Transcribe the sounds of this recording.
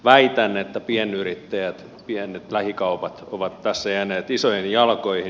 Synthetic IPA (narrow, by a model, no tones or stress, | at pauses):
ʋæit̪ænːeːt̪ːæpiɛnyrit̪ːæjæt̪ | piɛnet̪læhikɑupɑt̪oʋɑt̪tæsːæjæneːt̪isoiinjɑlkoihi